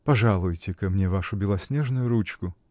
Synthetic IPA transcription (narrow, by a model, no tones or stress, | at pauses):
pɐʐalˠʊjtʲɪkɐmnʲevaʂʊbʲɪlˠɐsʲnʲeʐnʊjʊɾut͡ɕkʊ